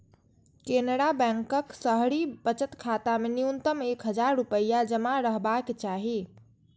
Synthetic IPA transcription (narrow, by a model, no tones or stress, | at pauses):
kenɽabɛ̃ŋkəksəɦɽibət͡ʃət̪kʰat̪ameniunt̪əmekɦəd͡ʒaɾːupəjad͡ʒəmaɾəɦbaket͡ʃaɦi